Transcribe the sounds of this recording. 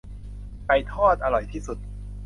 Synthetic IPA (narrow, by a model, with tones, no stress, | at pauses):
pa˧jt̪ʰɔː˥˩t̪̚ʔa˧ɾɔ˨˩jt̪ʰiː˥˩su˨˩t̪̚